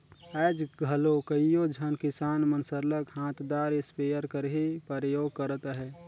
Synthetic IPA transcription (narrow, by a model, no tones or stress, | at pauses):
ɛd͡ʒɡʱəlokəijod͡ʒʱənkɪsaːnmənsəɾləkɦãːt̪d̪aːɾɪspejəɾkəɾɦipəɾəjoːɡ̚kəɾət̪ɦɛː